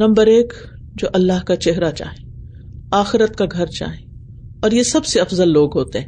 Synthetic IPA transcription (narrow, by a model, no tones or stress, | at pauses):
nɐ̃mbəɾeːk | d͡ʒoːʔɐlːaɦkat͡ʃɛɦɾat͡ʃa̰ːɦẽ | aːxɪɾət̪kaɡʱɐɾt͡ʃa̰ːɦẽ | ɔːɾjesɐbseɐfzəlːoːɡɦoːt̪eɦɛ̃